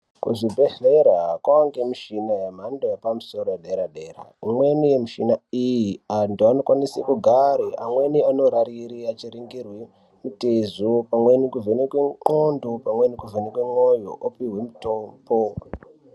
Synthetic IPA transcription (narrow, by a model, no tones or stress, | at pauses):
kuʐibʱe̞ɮeɾaakwaaŋɡemiʃinajam̤andojepamuso̞ɾojeɗeɾaɗera̰imwe̞nijemiʃinaijiantuano̞kwanisekuɡʱaɾeʔamweniano̞ɾaɾiɾiat͡ʃiɾiŋɡirwe | mutezopamwe̞nikuvʱenekweŋ͡ǃondopamwe̞nikuvʱenekweŋojo̰ʔopiɦwemutombo